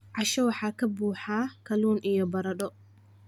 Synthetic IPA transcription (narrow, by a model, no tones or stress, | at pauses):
ʕɑʃɐwɑħɑːkʰɐbuːħaːkʰɐluːnʔijɔbɐɾɐɗɔ